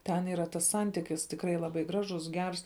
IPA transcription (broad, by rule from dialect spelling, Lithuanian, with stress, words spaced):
ˈtʲɛn iːˈrɐ tɐs ˈsɐnʲtʲɪkʲɪs tʲɪkˈrɐɪ lˠɐˈbɐɪ ˈɡrɑːʒʊs ˈɡʲɛrs